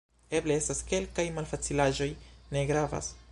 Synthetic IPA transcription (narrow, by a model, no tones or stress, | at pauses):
e̞ble̞e̞staske̞lkajmalfat͡silaʒo̞jne̞ɡɾava̰s